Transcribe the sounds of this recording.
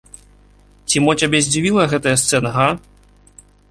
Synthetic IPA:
t͡sʲimɔt͡sʲabʲɛzʲd͡zʲivʲilˠɐɣɛt̪ɐjɐst̪sɛnɐɣa

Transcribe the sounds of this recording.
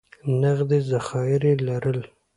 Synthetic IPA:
naɣd̪ezaxɑjɪɾelaɾəl

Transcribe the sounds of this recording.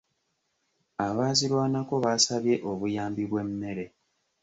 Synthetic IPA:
aβaːzilwaːnako̞βaːsaβje̞ʔo̞βujaːmbiβwe̞mːe̞ɾe̞

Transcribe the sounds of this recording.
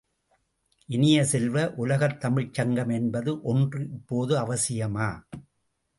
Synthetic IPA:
ʔɪnɪjɐsɛlʋɐʔʊlɐɣɐt̪ːɐmɪɻt͡ʃːɐŋɡɐmɛnbɐðɯʔɔndrɯʔɪpːoːðɯɐʋɐsɪjɐmaː

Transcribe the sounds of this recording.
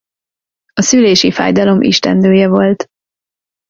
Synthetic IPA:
ɒsyleːʃifa̰ːjd̪ɒlo̞mʔḭʃt̪ɛ̰nd̪øːjɛvo̞lt̪

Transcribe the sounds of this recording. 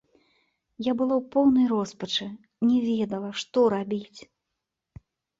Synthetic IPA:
jabɨlˠawpɔwnɐjɾɔspɐt͡ʂɨ | nʲɛvʲɛd̪ɐlˠɐʂt̪ɔɾabʲit͡sʲ

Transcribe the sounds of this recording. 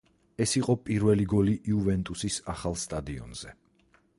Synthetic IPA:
ɛsiqʼɔpʼiɾvɛliɡɔliʔiuvɛnt̪ʼusisaχalˠst̪ʼad̪iɔ̰nz̥ɛ

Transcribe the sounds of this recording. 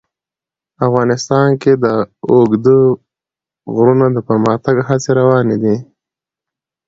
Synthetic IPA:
afɣɑnɪst̪ɑnked̪əoɡd̪ə | ɣɾunad̪əpəɾməxt̪aɡɦat͡seɾawɑned̪i

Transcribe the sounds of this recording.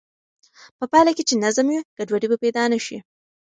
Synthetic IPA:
pəpɑlaket͡ʃenazamwiɡ̥aɖwaɽibapajd̪ɑnaʃḭ

